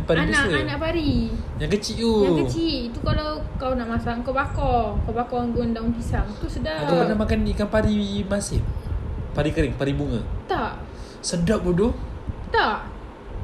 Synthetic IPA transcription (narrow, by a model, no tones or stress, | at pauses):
paɾiabnasəanaʔpaɾijaŋkət͡ʃiʔojakət͡ʃiʔit̪ukalawkawnaʔmasaŋkabakɔkawbakɔaŋɡʊndaunpisaŋt̪usədaakakanamakanːikanpaɾimasɪ̰ŋ̚paɾikəɾɪŋpaɾibuŋə̰t̪aʔ | sədaʔ̚budʊt̪aʔ